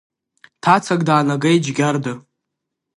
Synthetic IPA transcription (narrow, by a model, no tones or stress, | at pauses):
tʰat͡sʰaɡʼdaːnaɡejd͡ʒɡʲardɨ